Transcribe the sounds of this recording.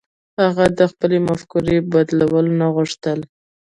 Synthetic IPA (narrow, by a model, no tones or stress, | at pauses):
haɣad̪əxpəlemafkuɾebad̪lawəlonaɣʊʂt̪əl